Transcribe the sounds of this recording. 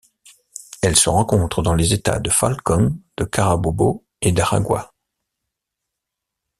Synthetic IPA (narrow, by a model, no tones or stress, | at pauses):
ɛlsəʁɑ̃kɔ̃t̪χəd̪ɑ̃lezet̪a̰d̪əfa̰lkɔnd̪̥əkaʁabobo | ed̪aʁa̰ɡwa̰